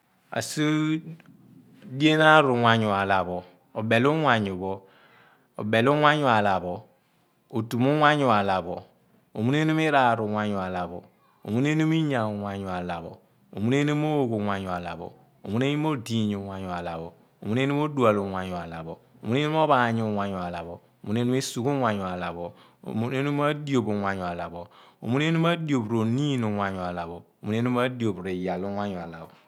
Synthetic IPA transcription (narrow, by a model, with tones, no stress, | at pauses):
a̰˨si˦ | di˦e˦na˦ɾu˨ŋʷa˦ɲu˨a˨la˨bɔ˨ | o˨be˨lu˦ŋʷa˨ɲu˨bɔ˨ | o̰˨be˨lu˦ŋʷa˦ɲu˨a˨la˨bɔ˨ | o˨tu˨mu˦ŋʷa˦ɲu˨a˨la˨bɔ˨ | o˨mu˦n˦e˦nu˦mi˦ɾa˨ɾu˨ŋʷa˦ɲu˨a˨la˨bo̰˨ | o̰˨mu˦n˦e˦nu˦mi˦ɲa˨ŋʷa˨ɲu˨a˨la˨bo̰˨ | o̰˨mu˦ne˦nu˦mo˦o˨ɡu˨ŋʷa˨ɲu˨a˨la̰˨bo̰˨ | o̰˨mu˦ne˦nu˦mo˦di˨ɲu˨ŋʷa˨ɲu˨a˨la˨bo˨ | o̰˨mu˦ne˦nu˦m˦o˦du˦a˨lo˨ŋʷa˨ɲu˨a˨la˨bo˨ | o˨mu˦ne˦nu˦m˦o˦ba˨ɲu˨˦ŋʷa˨ɲu˨a˨la˨bo˨ | o˨mu˦ne˦nu˦mi˦su˨ɡu˦ŋʷa˨ɲu˨a˨la˨bo̰˨ | mu˦ne˦nu˦m˦a˦di˦o˨bu˨ŋʷa˨ɲu˨a˨la˨bo˨o̰˨mu˦n˦e˦nu˦ma˦di˨˦o˨bɾo˨ni˦nu˨ŋʷa˨ɲu˨a˨la˨bo˨o˨mu˦e˦nu˦ma˦di˨o˨bɾi˨ja˨lu˦ŋʷa˦ɲu˨a˨la˨bo˨